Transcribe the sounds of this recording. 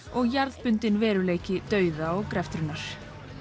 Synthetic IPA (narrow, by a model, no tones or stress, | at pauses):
ɔɣjaɾðpʏnt̪ɪnvɛːɾʏleːjcɪt̪œːɥðaɔɣkɾɛft̪ɾʏnːaɾ̥